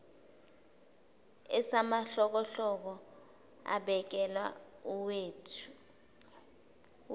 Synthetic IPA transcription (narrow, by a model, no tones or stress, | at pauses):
ɛsamaɬɔk̬ɔɬɔk̬ɔ | a̰ɓɛk̬ɛlwauweːtʰu̥